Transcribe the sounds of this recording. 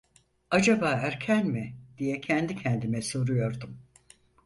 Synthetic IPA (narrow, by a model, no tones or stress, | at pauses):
ad͡ʒabaːæɾcʰænmid̪ijɛcʰɛnd̪icʰɛnd̪imɛso̞ɾujo̞ɾd̪um